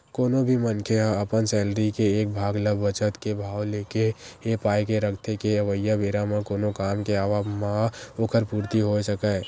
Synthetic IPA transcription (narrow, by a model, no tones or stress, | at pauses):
koːnobʱimənkʰeɦãəpənsɛːlɾikeeːk̚bʱaːɡləbːət͡ʃət̪kebʱaːwleːkeepaːekeɾəkʰt̪ekeəʋəjːabeːɾamẽkoːnokaːmkeaːʋamãoːkəɾpuːɾt̪iɦosəkə